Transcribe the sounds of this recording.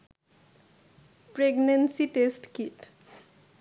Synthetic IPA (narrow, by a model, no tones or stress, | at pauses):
pɹeɡnensiʈesʈkiʈ